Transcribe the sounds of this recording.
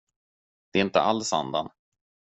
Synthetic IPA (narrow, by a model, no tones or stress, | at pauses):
d̪̥ɛːɪnt̪ə̰ʔalːsa̰nd̪an